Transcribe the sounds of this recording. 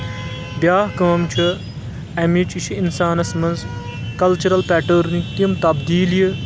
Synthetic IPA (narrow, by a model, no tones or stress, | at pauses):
bjaːɦkɐɐmt͡ʃʰu | ɐmit͡ʃiʃʰiinsaːnɐsmɐnz | kɐlt͡ʃuɾɐlpɛːʈəɾnikɐmt̪ɐbd̪iːliji